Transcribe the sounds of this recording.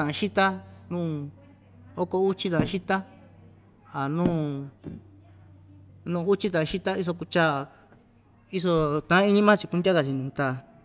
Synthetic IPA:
ã˨ʔã˧ʃi˦t̪a˦nũː˦˨ | o˦ko˧u˦t͡ʃi˦t̪ã˨ʔã˧ʃi˦t̪a˦ | a˨nũː˦˨ | nũː˦˧u˦t͡ʃi˦t̪̬ã˨ã˧ʃi˦t̪a˦i˦s̬o˧ku˧t͡ʃa˦ | i˦so˧t̪ã˧ã˦i˦ɲĩ˦mã˦t͡ʃi˧ku˧nd̪ʲa˦ka˧t͡ʃi˧nũː˨˧t̪a˧

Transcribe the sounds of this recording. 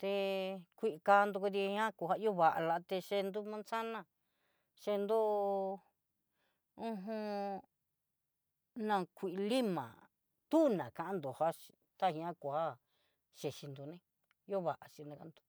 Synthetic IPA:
t̪e˧kʷi˧ʔi˧ka˧nd̪u˧ku˧ði˧hã˦ku˧˨ha˦˧˦o˦βa˨ʔa̰˧la˧t̪e˧ʃe˧nd̪u˦mã˦nsa˦nã˧˨ | ʃe˧nd̪u˦˧ | ũ˦˧ɦũ˧ | nã˧˨kʷi˨ʔli˦mã̰˨ | t̪u˦nã˨kã˧ʔã˦nd̪o˨ha˦ʃi˧t̪a˦˨ĩ˧ã˦ku˨ha˦ | ʃe˨ʃi˧nd̪u˧nẽ˦ | jo˦βa˨ʔa˨ʃi˧nã˧ka˧˦nd̪u̥˧

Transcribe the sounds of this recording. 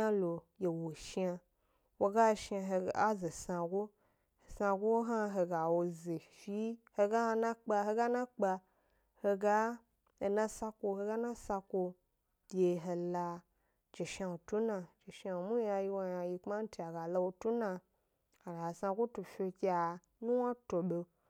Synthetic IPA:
a˦lo˨je˨wo˨ʃa˧ | wo˦˧ɡa˦˧˦ʃa˧ɦe˧a˦ze˨sã˧ɡo˦ | he˨sã˧ɡʷo˦wo˦ɦa˦ɦe˧ɡa˨wo˧ze˨fi˦he˧ɡa˦˧nã˦k͡pa˧ɦe˧ɡa˦nã˦k͡pa˧ | he˧ɡa˦ | e˧nã˦sa˦ko˧he˧ɡa˦nã˦sa˧kʷo̥˧˨˦ | e˧ɦe˧la˧ | d͡ʒe˨ʃa˧wo˨tu˦nã˧d͡ʒe˨ʃa˧wo˨mu˦a˧ji˧wo˧ja˧ji˧k͡pma˦n̩˦ti˦˧a˨ɡa˨la˧wo˧tu˦nã˧ | a˨ɡa˨sã˧ɡʷo˦tu˨fʲe˧kʲi˦a˨ | nũ˦wa˦to˨ɓo˧

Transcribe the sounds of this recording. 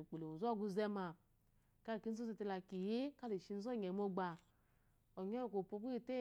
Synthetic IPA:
k͡pe˨lo˨o˨zɔ˦˨ɡu˧zɛ˧ma˨ | ka˦lki˦n̩˦o˦zi˧te˧la˧˨ki˨je˦ka˦le˨ʃi˧n̩˦zɔ˦˨ɲɛ˨mo˧ɡ͡ba˨˧ | ɔ˨ɲɔ˦˨ko˨po˧˦ki˦i˦te˦

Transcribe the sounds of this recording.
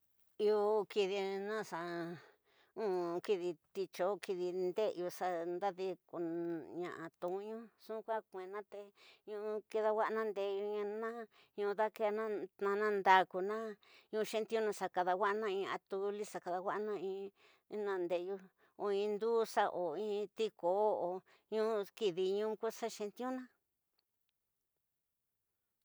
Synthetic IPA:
i˧o˧ki˧ði˧nã˦sa˧ | ũ˦ki˧ði˧t̪i˧t͡ʃo˧˦ki˧ði˧nd̪e˦ʔu˧sa˧nd̪a˦ði˧ku˧ɲã̰˧ʔa̰˧t̪ũ˧˦ɲũ˦sũ˦kʷa˦kʷẽ˨nã˦t̪e˧ɲũ˧ki˧ða˧wa˦ʔnã˦˧nd̪e˧ju˧ɲã˧nã˦ | ɲũ˧ða˦ke˧˦a˧nã˦nã˧nã˦nd̪a˧ku˧nã˦ɲũ˧ʃẽ˦˧nt̪jũ˦nã˧sa˧ka˧ða˧wʷa˦nã˦ĩ˧a̰˧t̪u˧li˦sa˨ka˧ða˧wa˦ʔnã˦˧ĩ˧˦ | nã˧nd̪e˧˨˧ju˧ | o˧˨ĩ˧nd̪u˦sa˦ʔo˨ĩ˦t̪i˦ko˨˦o˨ | ɲũ˦ki˧ði˧ɲũ˦ku˦sa˦ʃẽ˧nt̪i˦ũ˦nã˦

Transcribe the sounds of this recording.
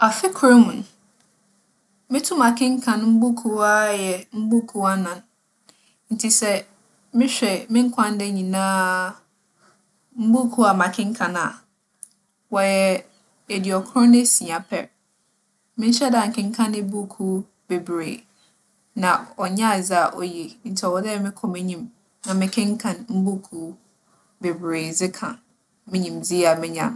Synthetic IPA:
a˨fɪ˦kʰɾe˦mũ˨n˨ | mɪ̃˦tʰũ˦mã˨kʰɪ̃˦ŋ̩˦kʰã˨ñ˦m̩˦bu˦kʰu˦a˦jɛ˨m̩˦bu˦kʰu˦a˦nã˨n | n̩˨tʰi˨sɛ˨ | mɪ̃˦ɕᶣɛ˨mɪ̃˦ŋ̩˦kʷʰã˦n˦dɛ˦ɲĩ˨nãː˦ | m̩˦bu˦kʰu˦a˨mã˨kʰɪ̃˦ŋ̩˦kʰã˨na˨ | wɔ˨jɛ˨ | ɛ˨dɪ˨ɔ˨kʰɾɔ̃˦nɪ̃˦sĩ˨a˨pʰɛ̰˨ | mɪ̃˦n˦ɕɛ˦da˨ŋ̩˨kʰɪ̃˦ŋ̩˦kʰã˦nɪ̃˦bu˦kʰu˦ | be˨bɾḛː˨ | nã˨ɔ˨ɲã˦˨d͡zɪ˦a˨ʔɔ̰˨je˨n̩˨tʰwɔ˨dɛ˦ɛ˦˨mɪ̃˦kʰɔ˨mɪ̃˦ɲĩ˨m | nã˨mɪ̃˦kʰɪ̃˦ŋ̩˦kʰã˨nm̩˦bu˦kʰu˦ | be˨bɾeː˨d͡zɪ˦kʰã˨ | mɪ̃˦ɲĩ˨md͡zi˦a˨mɪ̃˦ɲã̰˨n

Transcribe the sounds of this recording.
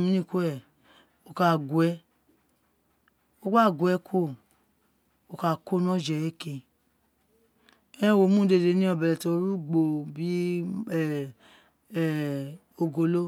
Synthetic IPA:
mĩ˦nĩ˦˨ko˦ɛ˦˨ | o˨˧ka˧˨ɡwɛ˧˦ | o˦ɡ͡ba˦˨ɡʷɛ˨˦kʰo˦˨ | o˧˨ka˧˨ko˦nɔ̃˦d͡ʒɛ˨e˦ke˧ | ɛ̃˦wo˨˦mũ˦de˧˨de˧˦nĩ˦ɔ˧˨bɛ˨lɛ˨to˧˦ɾu˦ɡ͡bo˧bi˦˨ | o˧ɡo˧lo˦

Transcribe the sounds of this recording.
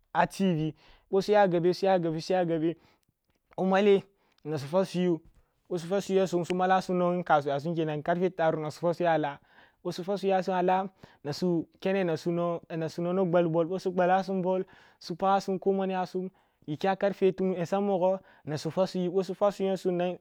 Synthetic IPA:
a˨ti˦vi˨ | ɓo˦su˦ja˦ɡa˨be˦su˦ja˦ɡa˨bi˦su˦ja˦ɡa˨be˦ | o˦ma˦le˦ | na˨s̬u˨fa˦su˦ju˦ | ɓo˦s̬u˦fa˦su˦ja˦su˦msu˦ma˦la˦su˦no˦i˦ka˨s̬u˨ja˨s̬u˦mke˨na˨nka˦ɾfe˦ta˨ɾu˦na˨su̥˨fa˦su˦ja˦˨la˦ | ɓo˦su˦fa˦su˦ja˦s̬u˦a˨la˦na˨su˦ke˦ne˦na˨su˦n˦˨na˨su˨no˦no˦ɡ͡ba˨lbo˨lɓo˦su˦ɡ͡ba˨la˦s̬u˦mbo˦l | su˦pa˦a˦su˦mko˦ma˦n˦ja˦su˦m | ji˨kʲa˦ka˦ɾfe˦tu˦me˨sa˦mmːo˨ɡo˦ | na˨su˨fa˦su˦ji˦ɓo˦s̬u˦fa˦su˦jo˦su˦na˦

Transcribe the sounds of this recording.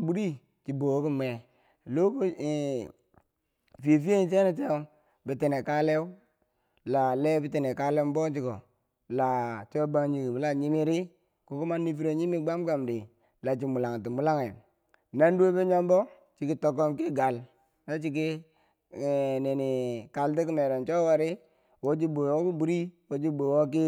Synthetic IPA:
bu˦ɾi˦ | t͡ʃi˨bo˨˦ki˦me˨ | lo˦ko˦˨ | fe˨fi˦e˦n˦t͡ʃe˦ni˦te˦o˦ | bi˨ti˨ne˨ka˦le˦u˦ | la˨le˦bi˦ti˨ne˨ka˦le˦m˦bo˦t͡ʃi˦ko˨ | la˨t͡ʃo˦ba˦ŋɲi˨ɡi˨bi˨˦la˦ɲi˦mi˦ɾi˦ | ku˨˦ku˦ma˦ni˦fi˦ɾe˨ɲi˦mi˦ɡ͡ba˦mɡa˨mdi˨ | la˨t͡ʃi˨mu˨la˨ŋ˨ti˨mu˦la˦ŋe˨ | na˦ndo˦be˦ɲo˦mbɔ˦ | t͡ʃi˨ki˦to˨ko˦mki˦ɡa˨l | na˦t͡ʃi˦k̬i˦˨ | ne˨ni˨ka˨lt̬i˦ki˦me˨ɾo˨nt͡ʃo˦wa˨ɾi˦ | wo˦d͡ʒi˦bo˨wo˦bu˦bu˨˦ɾi˦wo˦d͡ʒi˦bo˨wo˦k̬i˦

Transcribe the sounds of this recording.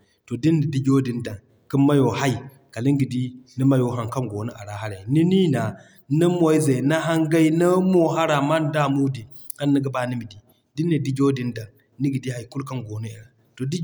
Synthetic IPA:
to˨di˦nːi˨di˦d͡ʒo˦di˨nda˨ŋ | ki˦mma˦jo˨ha˦i˨ | ka˨li˦ŋɡi˨di˦ni˦ma˦jo˨ɦa˨ŋka˦ŋɡo˨nu˦ʔa̰˨ɾa˦ɦa˦ɾa˨i˨ni˦ni˦na˨ | na˦mo˦i˦za˨jna˦ɦa˦ŋɡa˦i˦na˦mo˦ɦa˦ɾa˨ma˦n˦da˦˨mu˦di˨ | a˦nːi˦ɡa˨˦ba˦ni˦mi˨di˨ | di˦nːi˨di˦d͡ʒo˦di˦nda˨ŋ | ni˦ɡi˨di˦ha˦˨jku˦lka˦nɡo˨nu˦i˨ɾa˨ | to˨di˦

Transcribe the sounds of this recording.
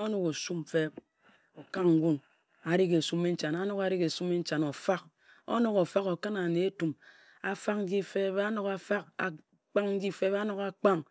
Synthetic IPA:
o˦no˦ko˨su˦m˦fe˦ | o˨ka˦ŋŋ̩˦ɡʷu˦ŋ | a˨ɾi˦ke˨su˦me˦n̩˦t͡ʃa˨na˦no˦ka˨ɾi˦ke˨su˦me˦n̩˦t͡ʃa˨no˨fa˦k̚ | o̰˦no˨ko˨fa˦ko˨ka˦na˨ne˨e˦tu˨m | a˨fa˦k̚n̩˦ɡi˦fe˦be˦a˦no˨ka˨fa˦ka̰˨ | k͡pa˦ŋn̩˦d͡ʒi˦fe˦ba˦no˨ka˨k͡pa˦ŋ

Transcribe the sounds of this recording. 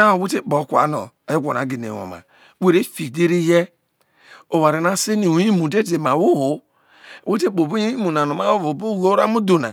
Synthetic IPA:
a˦o˨we˦te˦k͡po˨˦kʷa̰˨˦no̰˨ | e˨˦ɡʷo˨na̰˨˦ɡe˨n˨ḛ˨o̰˨ma̰˨ | we˦ɾe˦fi˨de˦ɾi˦je˦ | o˨wa˨ɾe˨na˦se˦ni˨u˨ji˦mu˨de˦de˨ma˨wu˦ho˨ | we˦te˦bo˨bu˦i˦mu˨na˨no˨ma˦wo˦vo˨bu˦ɡo˦ɾa˦mu˦do˨na̰˨

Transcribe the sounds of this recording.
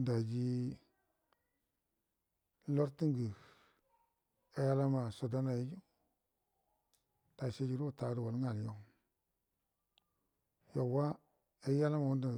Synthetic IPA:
da˨d͡ʒi˦ | lo˦ɾti˦ŋɡə˨ | e˦ja˦la˦ma˨so˨da˦na˨ji˦d͡ʒu˦ | d̥a˨se˦d͡ʒi˦ɾu˦˨ta˨˦du˨wo˨lŋa˨ljo˦ | ja˨wa˦ | e˦ja˦la˦ma˨wu˦nda˨

